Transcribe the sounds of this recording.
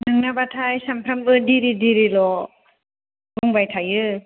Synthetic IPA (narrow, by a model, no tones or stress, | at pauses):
nɯŋnabatʰajsampʰɾambɯdiɾidiɾilɔ | buŋbajtʰajɯ